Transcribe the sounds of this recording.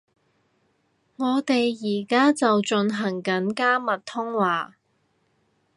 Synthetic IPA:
ŋɔː˨˧t̪e˨jːiː˨˩kaː˥t͡sɐ˨wt͡ʃɵ˧nɦɐ˨˩ŋkɐ˨˥nkaː˥mɐ˨˩t̚t̪ʰʊ˥ŋwaː˨˩

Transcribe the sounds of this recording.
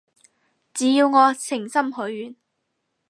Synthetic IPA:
t͡siː˨˥jiː˧wŋɔː˨˧sɪ˨˩ŋsɐ˥mɦɵ˨˥ɥɥyː˨˩n

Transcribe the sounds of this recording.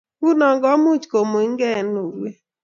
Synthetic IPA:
u˦nɔ˨ŋɡɔ˦mu˦t͡ʃko˨mo˨i˦ŋɡɛ˦˨no˨ɾwe˦

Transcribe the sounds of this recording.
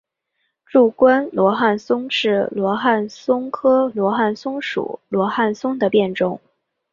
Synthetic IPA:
ʈ͡ʂu˥˩kwa˥nlwɔ˧˥xa˥˩nsʊ˥ŋʂɻ̩˥˩lwɔ˧˥xa˥˩nsʊ˥ŋkʰɤ˥lwɔ˧˥xa˥˩nsʊ˥ŋʂṵ˨˩˦lwɔ˧˥xa˥˩nsʊ˥ŋd̪ə˨pjɛ˥˧nʈ͡ʂʊ˥˩ŋ

